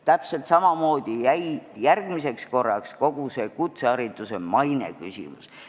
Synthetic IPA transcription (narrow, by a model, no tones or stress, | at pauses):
t̪æpse̞lt̪sɑmɑmo̞ːd̪̥ijæjjærɡ̥mise̞ksko̞rːɑksko̞ɡ̥use̞kut̪seɑɾit̪ˑusemɑjne̞̰ky̰sʲḭmṵs